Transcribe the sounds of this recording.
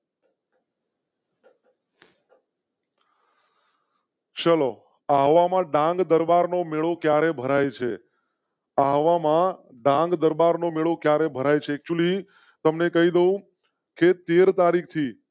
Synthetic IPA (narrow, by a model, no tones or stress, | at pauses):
t͡ʃəlo | aɦʋamãɖãŋɡd̪əɾbaɾnomeɭokjaɾebʱəɾajt͡ʃʰḛ | aɦʋamã | ɖãŋɡd̪əɾbaɾnomeɭokjaɾebʱəɾajt͡ʃʰeːk̚t͡ʃuli | t̪əmnekəɦid̪əũ | ket̪eɾt̪aɾik̚ʰt̪ʰi